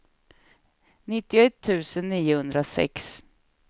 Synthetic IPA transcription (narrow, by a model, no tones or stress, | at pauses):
nɪt̪ːɪɛt̪ʰːʉ̟ːsənːiːʊhɵnd̪ɾasɛ̰ks